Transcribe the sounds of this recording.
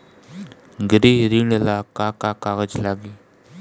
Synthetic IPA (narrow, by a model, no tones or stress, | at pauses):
ɡəɾiɾiɳəlakakakaɣəd͡ʒlaɡi